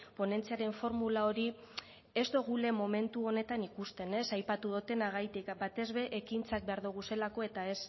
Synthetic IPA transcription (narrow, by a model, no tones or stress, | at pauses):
po̞ne̞nt͡siaɾe̞ɱfo̞ɾmulao̞ɾi | e̞zd̪oɣ̞ule̞mo̞me̞nt̪uo̞ne̞t̪anikust̪e̞ne̞sajpat̪uðot̪e̞naɣajt̪ikbat̪e̞zβe̞ʔːkint͡sak̚be̞aɾðuɣ̞use̞lako̞e̞t̪ae̞s